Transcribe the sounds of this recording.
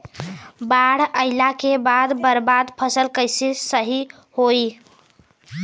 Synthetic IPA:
baɽ̤əɪlakebad̪bəɾbad̪pʰəsəlkəjsisəɦi | hoj

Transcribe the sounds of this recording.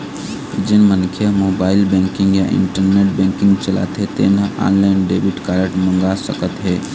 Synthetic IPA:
d͡ʒɪnmənkʰjəɦmoːbaːɪlbɛ̃ːŋkɪ̃ŋɡjaʔɪ̰ɳʈəɾneːʈbɛ̃ːŋkɪ̃ŋɡt͡ʃəla̰t̪ɦɛt̪eːnəʔã̰ːnlanɖeːbiʈkaːɾəʈmə̃ŋɡasəkət̪ɦɛː

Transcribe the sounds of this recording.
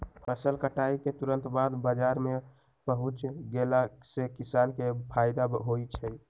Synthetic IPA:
pʰəsəlkəʈaiket̪uɾə̃nt̪bad̪bəd͡ʒaɾme | pəɦut͡ʃɡelasekisankepʰaɪd̪aɦojt͡ʃʰəj

